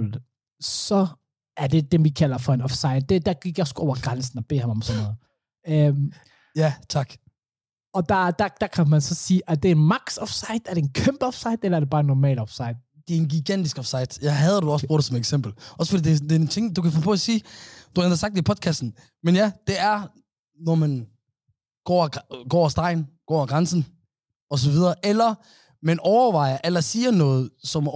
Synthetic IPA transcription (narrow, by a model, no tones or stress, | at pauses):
l | sɒ̽ | æɐd̥e̝d̥emʋikʰælɐfɒenɒfsäɪd̥ed̥æɡ̥iɡ̥jasɡ̥uɒʊɐɡ̥ʁansn̩ɒb̥e̝̰ːhɑmɒ̽msɔnːɔð̩ˠ | øm | jæt͡sʰɑ̈ɡ̥ | ɒ̽d̥ɑd̥æd̥ækʰæmænsɒ̽siːʔæɐd̥eenmäɡ̥sɒfsɑɪd̥æɐd̥enkʰøm̰b̥ɒfsɑ̈ɪ̰d̥elɐæɐdeb̥ɑ̈ːenːɔmɛ̰ːlɒfsɑɪ̰d̥ | d̥eæɐenɡiɡ̥æn̰d̥isɡ̥ɒfsɑ̈ɪd̥jɑɦæð̞ˠɐd̥uɒsb̥o̰ːdsɒ̽meɡ̥sem̰b̥l̩ʔɒ̽səfɒd̥ḭːd̥ed̥eɐt͡sʰe̝ŋd̥ukʰæfɔːpʰɔæsiːd̥uend̥ɐsɑ̈ɡ̥̚d̥ipʰɒ̽d̥̚kʰæsd̥n̩ | menjæd̥e̝æɐ | nɒmæn | ɡ̥ɒ̰̥ːɡ̥ɒ̰ːsd̥ɑ̈ɪnɡ̥ɒ̰ːɡ̥ʁɑnsn̩ | ɒ̽s̬ɒ̽ʋið̞ˠɐːʔelɐ | menɒʊɐʋɑ̈ɪ̰ɐʔelɐsiːɐnɔ̽ːð̞̩ˠsɒ̽m